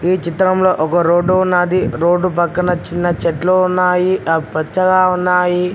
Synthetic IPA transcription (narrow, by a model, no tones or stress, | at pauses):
iːt͡ʃit̪ɾɐmlo̞ːʔɔkɐɾoːɖuunːaːd̪iɾo̞ːɖːupɐkːɐnɐt͡ʃinːɐt͡ʃeʈloːunːaːjiɐpɐt͡ʃːɐɡaːunːaːji